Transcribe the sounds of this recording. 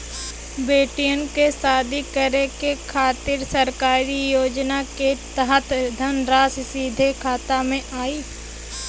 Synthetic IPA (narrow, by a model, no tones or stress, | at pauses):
beːʈijənkesaːd̪ikəɾekekʰaːt̪ɪɾsəɾkaːɾijoːd͡ʒnaket̪əɦət̪ʰd̪ʱənɾaːssiːd̪ʱekʰaːt̪amẽʔaːiː